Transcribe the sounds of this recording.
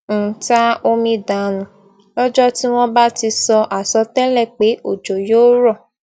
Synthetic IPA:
n̩˨˦ta˦o˧mĩ˧da˨˦nũ˨˦ | lɔ˦d͡ʒɔ˦ti˦w̃ɔ̃˦ba˦ti˧sɔ˧ʔa˨sɔ˧˦tɛ˦lɛ˦˨k͡pe˨˦ʔo˦˨d͡ʒo˨jo˦ɾɔ˦˨

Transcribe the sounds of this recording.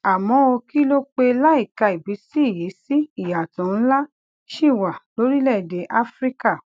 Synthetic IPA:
a˨mɔ̃˨˦o˧ki˦lo˦k͡pe˧la˦i˦˨ka˧i˨bi˨˦si˦i˦˨ji˨˦si˦i˦˨ja˨tũ˨˦n̩˦la˦ | ʃi˦˨wa˨lo˨˦ɾi˦lɛ˦˨de˨˦ʔa˦fɾi˦ka˦˨

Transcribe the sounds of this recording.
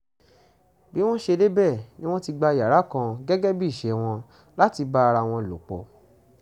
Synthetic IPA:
bi˦w̃ɔ̃˦ʃe˧de˦bɛ˦˨nĩ˦w̃ɔ̃˦ti˧ɡ͡ba˧˨ja˨ɾa˨˦kã˧ɡɛ˦ɡɛ˦bi˦˨ʃe˨˦w̃ɔ̃˧ | la˦ti˧ba˦˧ɾa˧w̃ɔ̃˧˨lo̰˨k͡pɔ̰˨

